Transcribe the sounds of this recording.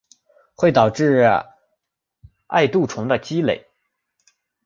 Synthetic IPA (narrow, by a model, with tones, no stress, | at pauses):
xwe˥˩ɪt̪ɑ˨˩ʊʈ͡ʂɻ̩˥˧ | a̰˥˧ɪt̪u˥˩ʈ͡ʂʰʊ˧˥ŋd̪ə˧t͡ɕi˥le˨˩ɪ